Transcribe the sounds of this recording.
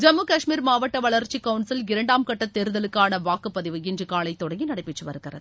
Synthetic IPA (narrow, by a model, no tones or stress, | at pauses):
d͡ʒɐmːukɐʂmiːɾmaːʋɐʈːɐʋɐɭɐɾt͡ʃikɐʊnsɪlɪɾɐɳɖaːmkɐʈːɐt̪ːeːɾɯðɐlɯkːaːnɐʋaːkɯpːɐðɪʋɯɪndrɯkaːlɐɪt̪ːɔɽɐŋɡinɐɽɐɪpːɪʈːɯʋɐɾɯɣɪrɐ̰ðɯ